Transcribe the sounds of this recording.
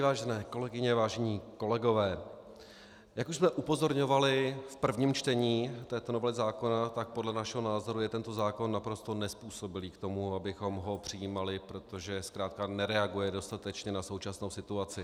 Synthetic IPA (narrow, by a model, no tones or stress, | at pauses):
vaːʒɛnɛːko̞lɛɡɪɲɛvaːʒɛɲiːko̞lɛɡo̞vɛː | jakuʃsmɛʔupo̞zo̞ɾɲo̞valɪfpr̩vɲiːmt͡ʃt̪ɛɲiːt̪ɛːt̪onovlɛzaːko̞nat̪ak̚podlɛnaʃɛɦonaːzo̞ɾujɛt̪ɛnt̪o̞zaːko̞nːapɾo̞st̪o̞nɛspuːso̞bɪliːkt̪o̞muabɪxo̞mɦo̞pr̝̥ɪjiːmalɪpɾo̞t̪o̞ʒɛskɾaːt̪̚kanɛɾɛaɡujɛdo̞st̪at̪ɛt͡ʃɲɛnaso̞wt͡ʃasno̞wsɪt̪uat͡sɪ